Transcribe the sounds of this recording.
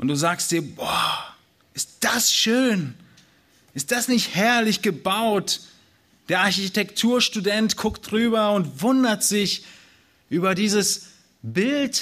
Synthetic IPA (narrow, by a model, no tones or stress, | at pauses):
ʔʊntd̥uːzaːkstd̥iːɐbɔː | ʔɪst̚d̥asʃøːn | ʔɪst̚d̥asnɪçthɛɐlɪçɡ̥əbaʊt | d̥eːɐʔaɐçitʰɛktʰuːɐʃtudɛntɡʰʊkt̚d̥ʁyːbɐʊntvʊndɐtz̥ɪç | ʔyːbɐdiːzəs | bɪlt